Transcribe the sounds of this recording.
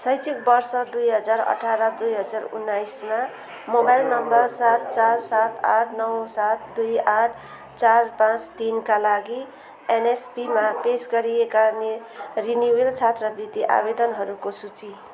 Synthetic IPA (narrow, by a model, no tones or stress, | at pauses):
sʌjt͡sʰik̚bʌrsʌd̪ujɦʌd͡zaɾʌ̰ʈʰaɾʌd̪ujɦʌd͡zarṵnːajsma | mobajlnʌmbʌrsat̪̚t͡sarsat̪aʈʰnʌwsat̪d̪ujaʈʰ | t͡sarpãt͡st̪inkalaɡi | enespimapesɡʌɾiekane | rinjuwelt͡sʰat̪rʌbrit̪iʔa̰bed̪ʌnɦʌɾukosut͡si